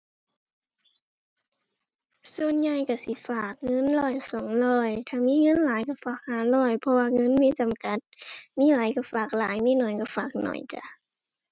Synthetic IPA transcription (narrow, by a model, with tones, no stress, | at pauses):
su˧˨ənɲa˧˩jka˧˩si˧˦faː˨˩k̚ŋɤ˧˥˨nlɔː˧˩jsɔː˨˦ŋlɔː˧˩jt̪ʰaː˧˨miː˧˥˨ŋɤ˧˥˨nlaː˨˦jka˧˩faː˨˩k̚haː˨˩˦lɔː˧˩jpʰɔ˧waː˧ŋɤ˧˥˨nmiː˧˥˨t͡ɕa˨mka˧˦t̪̚miː˧˥˨laː˨˦jka˧˩faː˨˩k̚laː˨˦jmiː˧˥˨nɔ˨˩jka˧˩faː˨˩k̚nɔ̰˨˩jt͡ɕa̰˧˦